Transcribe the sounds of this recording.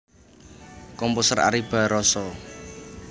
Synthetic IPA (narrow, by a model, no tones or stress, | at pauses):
kɔmpusəra̰ɾib̥ä̤ɾɔsɔ